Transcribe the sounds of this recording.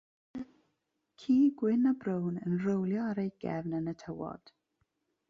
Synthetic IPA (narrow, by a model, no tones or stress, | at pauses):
kʰiːɡwɪnabrəwnənrəwlˠjɔaɾejɡ̥ɛvnənətʰəwɔ̰d̥